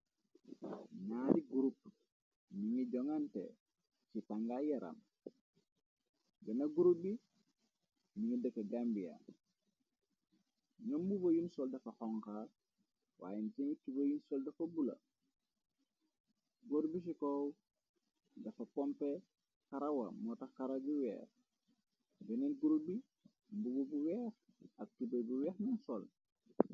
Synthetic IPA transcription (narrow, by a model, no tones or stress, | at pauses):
naːdiɡuɾup̚ | niŋiɟoŋantḛ | sitaŋɡajaɾa̰m | benaɡuɾubi | niŋidəkeɡambija̰ | ɲombubojinsoldɐfaxɔŋka | wa̰ːjentiŋitubɐjinsɔldɐfɐbulɐ̰ | ɡoɾbis̬ikɔw | dɐfɐpɔmpɛ | kaɾɐwɐ̰mɔtɐxkaɾɐɡiwɛ̰ːx | bɛnɛnɡuɾubi | mbuɡobuwɛːx | ɐk̚tubebuwɛːxnɔnsɔl